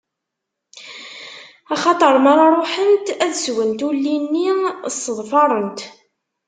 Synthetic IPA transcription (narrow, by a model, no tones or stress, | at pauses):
ɑχɑt̪ˤəɾˤmɑɾˤɑɾˤoħənt̪æðswənt̪ulːinːisəðˤfɑɾˤənt̪